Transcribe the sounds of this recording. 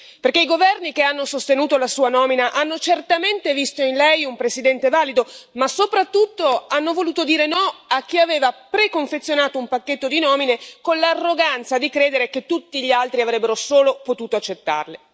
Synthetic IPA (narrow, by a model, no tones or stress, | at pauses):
perkeiɡovɛrnikeanːosost̪enuːt̪olasuːanɔːminaʔanːot͡ʃert̪ament̪evist̪oinlɛjumpɾesid̪ɛnt̪evaːlid̪omasopɾat̪ːut̪ːoanːovoluːt̪od̪iːɾenɔak̟ːiaveːvapɾekoɱfet̪sːjonaːt̪oumpakːet̪ːod̪inɔːminekonlarːoɡant̪sad̪ikɾeːd̪eɾeket̪ːut̪ːiʎialt̪ɾiavɾɛbːeɾosoːlopot̪uːt̪oat͡ʃːet̪ːa̰rle